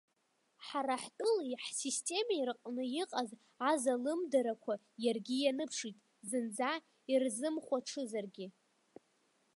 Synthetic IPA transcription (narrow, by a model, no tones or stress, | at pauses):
ħaɾaħtʼɨliħsistʼe̞mairqʼnɨjiqʼaz | azalɨmdaɾakʷʰa | jarɡʲɪjanɨpʰʂitʼ | zɨnd͡za | irzɨmχʷaʈ͡ʂʰɨzarɡʲɪ